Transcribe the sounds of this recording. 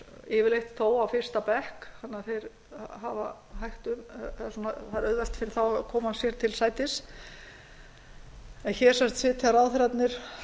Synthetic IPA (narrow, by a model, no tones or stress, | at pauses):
ɪːvɪɾlejht̪θoːwawfɪr̥st̪apɛhkhanːaθejɾ | ɦava | ɦajht̪ʏmsnunaθajɾœɥðvɛl̥t̪fɪnθawkʰɔːmhansjɛɾt̪ʰɪlsaːjt̪ɪs | ɛnçɛ̥ːsɛmst̪sɪːt̪ʰiaɾawθɾat̪nɪɾ̥